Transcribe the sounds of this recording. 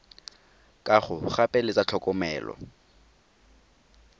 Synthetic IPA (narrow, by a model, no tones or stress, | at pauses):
kʼaχʊχapʼɛlɪt͡sʼat͡ɬʰɔkʼɔmɛːlɔ̰